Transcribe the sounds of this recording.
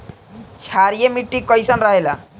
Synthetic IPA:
t͡ʃʰaɾijemiʈːikɔjsanɾaɦela

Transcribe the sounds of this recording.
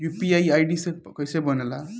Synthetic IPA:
jupiajajɖisekʌjsʌjbʌnela

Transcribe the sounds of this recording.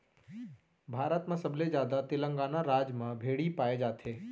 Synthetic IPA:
bʱaːɾət̪mãsəbʱled͡ʒjaːd̪at̪ɪlə̃ŋɡanaɾaːd͡ʒmãbʱeːɽipaːed͡ʒaːt̪ʰeː

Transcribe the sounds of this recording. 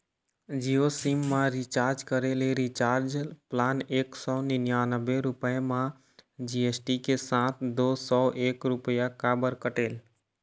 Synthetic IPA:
d͡ʒijosimːãɾit͡ʃaːɾd͡ʒkəɾeleɾit͡ʃaːɾd͡ʒplaːneːksɔːnɪnjanəbːeɾʊpəemã | d͡ʒiesʈikesãt̪ʰd̪oːsɔʔeːkɾʊpəjakabəɾkəʈeːl

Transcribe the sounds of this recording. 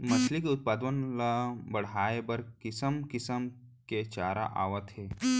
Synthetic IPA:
mɐslikeʊt̪̚paːd̪ʋənlabɐɽ̤aːebɐɾkɪsəmkɪsəm | ket͡ʃaːɾa̰ʔa̰ːʋət̪ɦeː

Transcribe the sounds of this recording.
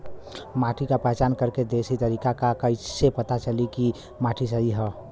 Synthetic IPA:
maːʈʰikapɛɦt͡ʃaːnkəɾked̪eːsit̪əɾiːkakakəisepət̪at͡ʃəliki | maːʈʰis̬əɦiɦɛ

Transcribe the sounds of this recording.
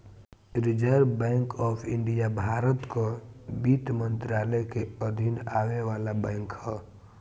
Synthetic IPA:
ɾɪd͡ʒəɾbɛ̃ːŋkɔːpʰɪ̃ɳɖijabʱaːɾət̪kobiːt̪mə̃nt̪ɾaːləkeəd̪ʱɪnaːʋeʋaːlabɛ̃ːŋkhɛː

